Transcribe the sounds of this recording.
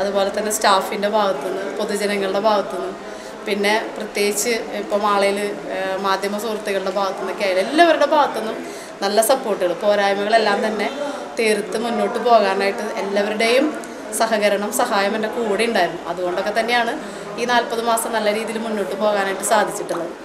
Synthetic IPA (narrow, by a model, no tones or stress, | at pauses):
ɐðubo̞ːlet̪ːɐnːe̞sʈaːfinde̞bʱaːɣɐt̪ːunːɨpo̞ðud͡ʑɐnɐŋːɐɭɨɽe̞bʱaːɣɐt̪ːunːu | pinːe̞prɐt̪jeːɡit͡ɕːɨipːoːmaːɭejilmaːd̪ʱjɐmɐsuːrt̪ːiɣɐɭɨɽe̞bʱaːɣɐt̪ːunːɐkʲːeaːjiɭelːɐʋɐɾuɽe̞bʱaːɣɐt̪ːo̞nːum | nɐlːɐsɐpːo̞ːrʈːɨɣɐɭɨpo̞ːɾaːjmɐɣɐɭe̞lːaːmt̪ɐnːe̞ | t̪eːrt̪ːɨmunːo̞ːʈːɨpo̞ːɣaːnaːjiʈːɨelːɐʋɐɾuɽe̞jum | sɐɦɐɣɐɾɐɳɐmsɐɦaːjɐmende̞kuːɽijuɳɖaːjiɾunːuɐðuɣo̞ːɳɖokːe̞t̪ɐnːe̞jaːɳɨ | iːnaːlpɐðɨmaːsɐmnɐlːɐɾiːðijilmunːo̞ːʈːɨpo̞ːɣaːnaːjiʈːɨsaːd̪ʱit͡ɕːiʈːuɭːɐðɨ